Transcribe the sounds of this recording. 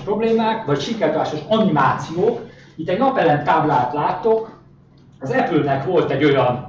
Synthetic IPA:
pro̞bleːmaːkvɒcʃikɛt̪aːʃoʃɒnimaːt̪sijoːk | it̪ːɛɟnɒpɛlːɛnt̪aːblaːt̪laːt̪ːo̞k | ɒzɛpylnɛkʋo̞lt̪ɛɟo̞jɒn

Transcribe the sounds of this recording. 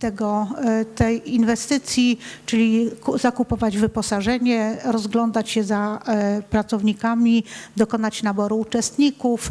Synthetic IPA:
t̪ɛɡɔt̪ɛjinvɛst̪ɘt̪sʲjit͡ʂɘlʲizakupɔvad͡ʑvɘpɔsaʐɛɲɛɾɔzɡlɔnd̪at͡ɕɕɛzapɾat̪sɔvɲikamʲid̪ɔkɔnat͡ɕnabɔɾuːt͡ʂɛst̪ɲikuf

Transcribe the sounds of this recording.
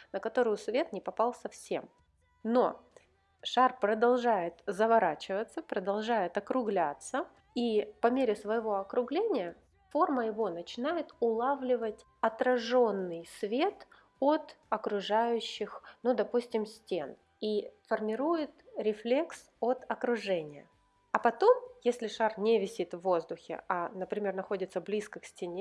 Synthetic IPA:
nəkɐt̪o̞ɾʊjʊsvʲe̞t̪nʲɪpɐpɑlˠsɐfsʲe̞̰m | no̰ | ʂarpɾəd̪ɐlˠʐajɪt̪zəvɐɾat͡ɕɪvət̪sːəpɾəd̪ɐlˠʐajɪt̪ɐkɾʊɡlʲat̪sə | ipɐmʲeɾʲɪsvəjɪvo̞ɐkɾʊɡlʲenʲɪjə | fo̞rməjɪvo̞nət͡ɕɪnajɪt̪ʊlˠavlʲɪvətʲ | ɐt̪ɾɐʐo̞nːɨjsvʲe̞t̪ | ot̪ɐkɾʊʐajʉɕːɪxnud̪ɐpusʲtʲɪmsʲtʲe̞n | ifərmʲɪɾujɪt̪ɾʲɪflʲe̞ks | ot̪ɐkɾʊʐɛnʲɪjə̰ | ɐpɐt̪o̞mjesʲlʲɪʂarnʲɪvʲɪsʲit̪vːo̞zd̪ʊxʲɪ̰anəpɾʲɪmʲe̞rnɐxo̞dʲɪt̪səblʲiskəksʲtʲɪnʲe

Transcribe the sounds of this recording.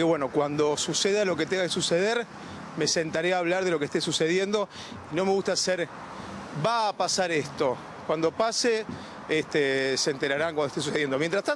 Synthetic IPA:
eβweno̞kwand̪o̞suseðalo̞ket̪eŋɡakesuseðeɾ | me̞se̞nt̪aɾeaːβ̞laɾðelo̞k̬est̪esuse̞ðje̞nd̪o̞ | ino̞me̞ɣust̪aseɾ | baːpasaɾest̪o̞ | kwand̪o̞pase | est̪eseːnt̪eɾaɾaŋkwand̪ot̪esuseðjend̪omjent̪ɾaht̪a

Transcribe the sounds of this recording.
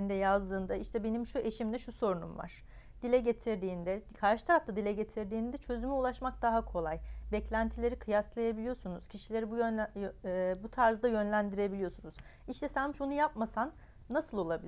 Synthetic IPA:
nd̪ɛjazd̪ɯːnd̪aiʃt̪ʰɛbe̞nimʃuʔe̞ʃimd̪ɛʃuso̞ɾunṵmva̰ɾ̥ | d̪̥ilʲɛɟe̞t̪ʰiɾd̪iːnd̪ɛkʰaɾʃɯ̥t̪ʰaɾaft̪ad̪ilʲɛɟe̞t̪ʰiɾd̪iːnd̪ɛt͡ʃʰø̞zymɛulˠaʃmak̚d̪aɦakʰo̞lˠajbɛclʲænt̪ʰilʲe̞ɾikʰɯjaslˠajabilʲijo̞sunuz̥cʰiʃilʲe̞ɾibuj | but̪ʰaɾzd̪ajø̞nlʲænd̪iɾe̞bilijo̞sunuz̥ | iʃt̪ʰɛsɛnmiʃbunujapmasanː | asɯlˠo̞lˠabilʲ

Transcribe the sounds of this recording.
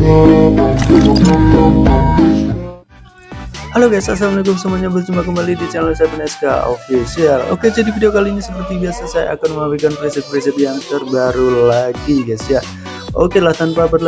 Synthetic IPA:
haloɡasasamənikʊmsamaɲabərt͡ʃumbak̬əmbalidit͡ʃɛnəlsajapənɛska̰o̰fisialo̰ked͡ʒadifidiokaliɲasəpərt̪ibiasasaja̰ʔːkanməŋabikanfɾisət̪̚pɾis̬ət̪̚jaŋt̪ərbaɾulaɡiɡasja | ʔokelaht̪anpapət̪la

